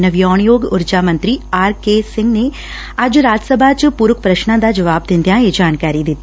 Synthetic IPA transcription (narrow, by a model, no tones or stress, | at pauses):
nɐʋjɔːɳjoːɡʊɾd͡ʒaːmɐ̃nt̪ɾiaːɾkeːsɪ̃ŋɡne | aːd͡ʒɾaːd͡ʒəsəbʱat͡ʃpuɾʊkpɾɐʃnãd̪ad͡ʒɐʋaːbd̪ɪ̃nd̪ʱjãjed͡ʒaːnkaːɾid̪ɪt̪